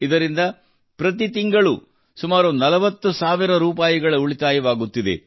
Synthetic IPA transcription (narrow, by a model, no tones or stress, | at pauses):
id̪ɐɾind̪ɐ | pɾɐt̪̬it̪iŋɡɐɭu | sumaːɾunɐlɐʋɐt̪ːusaːʋiɾɐɾuːpaːjiɡɐɭɐuɭit̪aːjɐʋaːɡut̪ːid̪ḛ